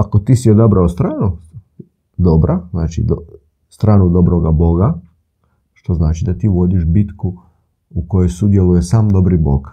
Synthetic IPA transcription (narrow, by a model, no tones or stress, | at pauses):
akot̪iːsiod̪abɾaost̪ɾaːno | d̪o̞bɾʔazna̰ːt͡ʃḭd̪ | st̪ɾaːnud̪o̞bɾoɡabo̞ɡa | ʃt̪o̞znaːt͡ʃid̪at̪iːʋo̞d̪iʃbit̪ku | ukojojsud̪je̞lujesaːmd̪o̞bɾibo̞̰ɡ